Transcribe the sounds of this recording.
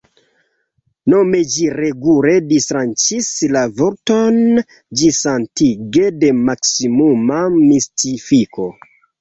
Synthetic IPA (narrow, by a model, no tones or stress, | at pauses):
no̞me̞d͡ʒiɾe̞ɡule̞distɾant͡ʃislavo̞ɾto̞n | d͡ʒisantiɡe̞de̞maksimumamistʰifikʰo̞